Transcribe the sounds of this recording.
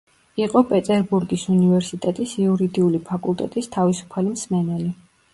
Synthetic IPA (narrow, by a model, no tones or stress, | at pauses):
iqʼɔpʼɛt̪ʼɛɾbuɾɡisunivɛɾsit̪ʼɛt̪ʼisiuɾid̪iulipʰakʼulˠt̪ʼɛ̰t̪ʼist̪ʰavisu̥pʰalimsmɛnɛli